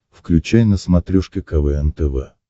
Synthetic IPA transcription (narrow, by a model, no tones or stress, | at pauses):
fklʲʉt͡ɕæjnəsmɐt̪ɾʲuʂkʲɪkɐvɛɛnt̪əvɛ̰